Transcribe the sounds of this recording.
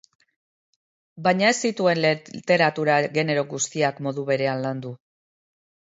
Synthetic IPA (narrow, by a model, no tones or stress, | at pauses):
bajɲae̞stit̪ue̞nlt̪e̞ɾat̪uɾaɣe̞ne̞ɾo̞ɣust̪iakmo̞ðuβe̞ɾe̞anland̪u